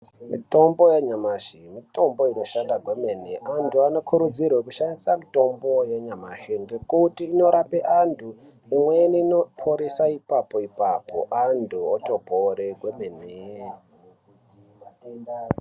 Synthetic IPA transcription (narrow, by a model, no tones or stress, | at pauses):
mḭto̞mbo̞jeɲamaʃimito̞mbo̞ino̞ʃandaɡʱwe̞meneʔantʰuano̞kʰuɾud͡zirwekuʃandisamito̞mbo̞jeɲamaʃeŋɡe̞kutiːno̞ɾapeʔantʰu | imweninopʰoɾisaipapoipapo̞̰ʔandʰʱuotobʱoɾeɡʱwemene